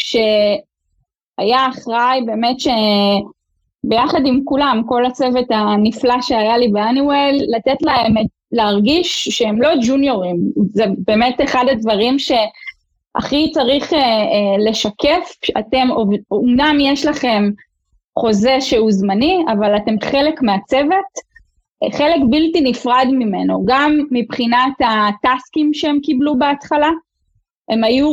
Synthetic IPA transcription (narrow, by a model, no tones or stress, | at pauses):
ʃe̞ | ajaːχʁajbe̞ːmetʃe̞ | be̞jaχadimkulamko̞lat͡sevetaniflaʃeajalibeaniwelːatetlaemet | leaʁɡiʃːeemlo̞d͡ʒunjo̞ʁimzebeːmeteχadadvaʁimʃe̞ | ʔa̰χit͡saʁiχele̞ʃake̞fate̞movumnamjeʃlaχe̞m | χo̞zeʃeuzmaniavalate̞mχe̞lekmeat͡seve̞t | χelekbiltinifʁadmime̞noɡamːipχinatataskimʃeemkiblubeatχala | e̞maju